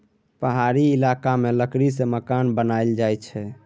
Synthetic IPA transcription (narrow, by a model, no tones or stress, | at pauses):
pəɦaɾiːlakameləkɾiseməkanbənald͡ʒajt͡ʃʰɛ